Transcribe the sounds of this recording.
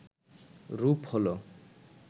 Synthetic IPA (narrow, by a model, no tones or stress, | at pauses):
ɾupholo